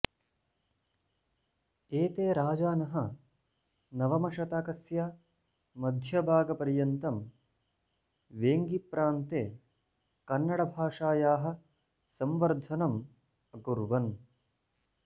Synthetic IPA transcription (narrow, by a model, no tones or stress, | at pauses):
eːt̪eːɾaːd͡ʒaːnɐɦɐ | nɐʋɐmɐʃɐt̪aːkɐsjɐ | mɐd̪ʱjɐbʱaːɡɐpɐɾjɐnt̪ɐm | ʋeːŋɡipɾaːnt̪eː | kɐnːɐɽɐbʱaːʂaːjaːɦɐ̆ | sɐmʋɐɾd̪ʱɐnɐm | ɐkuɾʋɐn